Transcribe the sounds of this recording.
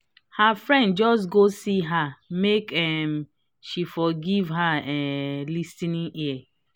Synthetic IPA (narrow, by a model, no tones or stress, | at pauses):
hafɹɛ̃ndd͡ʒɔs̬ɡosiɦamekɛm | ʃifɔɡivɦaɛlistinĩʔiɛ